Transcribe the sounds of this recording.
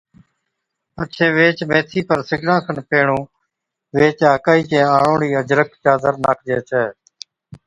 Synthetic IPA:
ət͡ʃʰeːʋeːt͡ʃmeːt̪ʰiːpəɾsɪɡnãːkʰənpeːɳõː | ʋeːt͡ʃaːkaːiːt͡ʃẽːaːɳõːɳiːəd͡ʒɾəkt͡ʃaːd̪əɾnaːk̚ʰd͡ʒeːt͡ʃʰɛː

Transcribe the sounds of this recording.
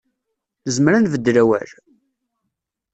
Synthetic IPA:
nəzmɾænvəd̪ːɾæwæ̰ɾ

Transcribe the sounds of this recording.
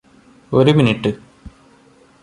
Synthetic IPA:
o̞ɾuminiʈːɨ

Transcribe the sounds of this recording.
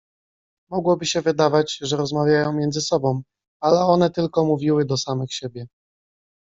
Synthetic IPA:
mɔɡwɔbɘɕɛvɘd̪avad͡ʑʐɛɾɔzmavʲjajɔ̃w̃mjɛnd̪zɘsɔbɔ̃w̃ | alɛɔnɛt̪ɘlkɔmuvʲiwɘd̪ɔsamɘxɕebʲjɛ

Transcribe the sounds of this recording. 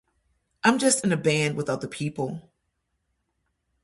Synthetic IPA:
ʔãɪ̃md͡ʒʌstɨ̃nɨbæ̃nd̚wəθaʊt̪̚ðəpʰipl̩ˠ

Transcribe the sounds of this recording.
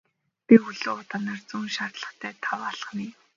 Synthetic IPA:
pixuɮoːʊt̪aːnaːrt͡suːnʃart̪ɮə̆χt̪ʰæːt̪ʰawaɮχə̆niː

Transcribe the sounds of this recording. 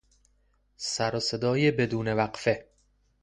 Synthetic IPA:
sæɾose̞d̪ɒːjebe̞d̪uːne̞væqfe̞

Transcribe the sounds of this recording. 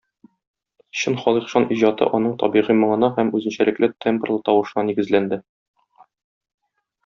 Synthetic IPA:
ɕɤnχɒlˠiqʃɑnʔiʑɑt̪ɤ̰ʔɒn̪ɤɴt̪ɒ̰biʁimɒ̆ɴɤ̆nɑhæmʉzɘ̆nɕælɘ̆klɘt̪ʰemprlˠɤt̪ɒwɤ̆ʃɤ̆nɑniɡɘ̆zlænd̪ɘ

